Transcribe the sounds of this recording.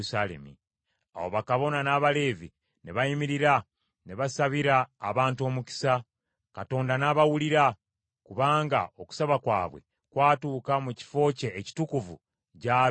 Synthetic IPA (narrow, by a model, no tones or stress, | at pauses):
salḛmḭ | a̰wo̞βakaβo̞nanaːβale̞ːvi | neβajimiɾiɾa | neβasaβiɾaːβaːntuo̞ːmuci̥sa | kato̞ːndanaβawuliɾa | kuβaːŋɡa̰oku̥saβakwa̰ːβwḛ | kwaːtuːkamuci̥fo̞ːce̞ːci̥tukuvṵ | ca